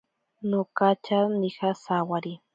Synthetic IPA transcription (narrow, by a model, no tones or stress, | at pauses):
nokat͡ʃanikasawaɾi